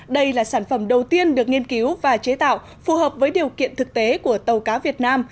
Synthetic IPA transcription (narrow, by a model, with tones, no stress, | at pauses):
ɗə˧jlaː˨˩saː˧˩nfə˧˩mɗə˨˩wt̪i˧ənɗɨ˨˩ək̚ŋi˧ənki˨˦wvaː˨˩t͡ɕe˨˦t̪a̰ː˧˨w | fu˨˩həː˨˩p̚vəː˨˦jɗi˨˩əwkḭ˧˨ənt̪ɨ˨˩k̚t̪e˨˦ku˧˩ət̪ə˨˩wkaː˨˦wvi˨˩ət̚naː˧m